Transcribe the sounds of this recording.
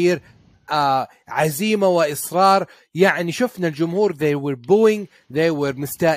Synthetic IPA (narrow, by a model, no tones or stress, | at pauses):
iːɾ | a | ʕaziːmawɪʔɪsɾɑːɾˤ | jaʕniʃʊfnald͡ʒʊmhuːɾðejwɛɾbuːɪŋ | ðejwəɾmʊst̪aː